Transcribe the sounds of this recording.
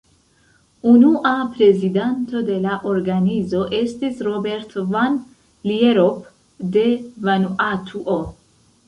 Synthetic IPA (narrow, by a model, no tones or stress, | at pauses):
unuʔapɾe̞zidanto̞de̞laʔoɾɡanizo̞ʔe̞stisɾobe̞ɾtʰovan | lieɾop | devanuʔatʰuʔo